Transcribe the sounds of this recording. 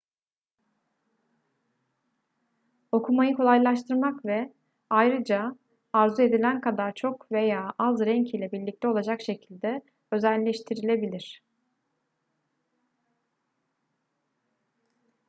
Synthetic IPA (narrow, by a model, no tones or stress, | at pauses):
o̞kʰumajɯkʰo̞lˠajlˠaʃt̪ʰɯɾmakvɛ | ajɾɯd͡ʒa | aɾzue̞d̪ilʲænkʰad̪aɾt͡ʃʰo̞kve̞jaːazɾɛɲcʰiːlʲɛbiɾlʲic̚t̪ʰɛo̞lˠad͡ʒakʃe̞cʰilʲd̪ɛ | ø̞zælʲːɛʃt̪ʰiɾilʲe̞bilʲiɾ̥